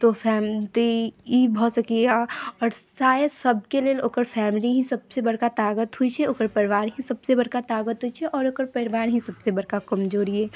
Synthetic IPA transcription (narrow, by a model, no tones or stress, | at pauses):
t̪ofɛːmt̪oibɔɦːt̪sɐkiaɔːɾsaːjesɐb̚keliəloːkəɾfʰɛːmɪliɦĩsɐb̚sebɐɽ̤kat̪aːɡət̪ɦʊit͡ʃʰɛoːkəɾpɐɾɪʋaːɾɦĩsɐbsebɐɽkat̪aːɡət̪ɦuit͡ʃʰɛʔɔːɾoːkəɾpɐɾɪʋaːɾɦĩsɐbsebɐɽkakɐmd͡ʒoːɾiɦɛː